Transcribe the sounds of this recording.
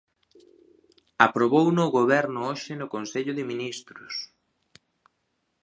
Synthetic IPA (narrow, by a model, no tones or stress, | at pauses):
apɾoβownoɣoβ̞ɛɾnʊoʃɪnʊkonseʎʊðɪminist̪ɾʊs